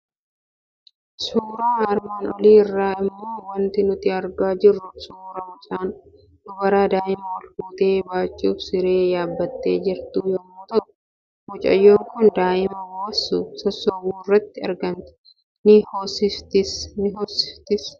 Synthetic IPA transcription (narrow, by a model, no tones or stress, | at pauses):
suːɾaːɐɾmaːnɔliːɪrːaːɪmːo̞ːwɐnt̪ɪnʊt̪ɪɐɾɡaːd͡ʒɪrːʊsuːɾɐwʊt͡ʃʼaːn | d̪ʊbɐɾaːd̪aːʔɪmɐwɐlfuːt̪e̞ːbaːt͡ʃʼːuːfsɪɾe̞ːjaːbːɐt̪ːe̞̰ːd͡ʒɪɾt̪uːjɔmːot̪ɐʔʊ | wʊt͡ʃʼɐ̰jːo̞ːŋkʊnd̪aːʔɪmɐwoːsusɐsːɔbuːɪrːɐt̪ːɪɐɾɡɐnt̪ɪ̥ | nɪhoːsɪft̪ɪsnɪɦoːsːɪ̥ft̪ɪs